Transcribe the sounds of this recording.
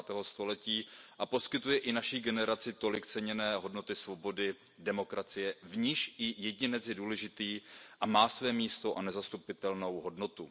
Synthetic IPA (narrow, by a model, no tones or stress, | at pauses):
t̪ɛːɦo̞st̪o̞lɛciːʔapo̞skɪt̪ujɛʔɪnaʃiɡɛnɛɾat͡sɪt̪o̞lɪkt͡sɛɲɛnɛːɦo̞dno̞t̪ɪsvo̞bo̞dɪ | dɛmo̞kɾat͡sɪjɛvɲiʃʔɪjɛɟɪnɛt͡sjɛduːlɛʒɪt̪iːʔamaːsvɛːmiːst̪o̞ʔanɛzast̪upɪt̪ɛlno̞wɦo̞dno̞t̪u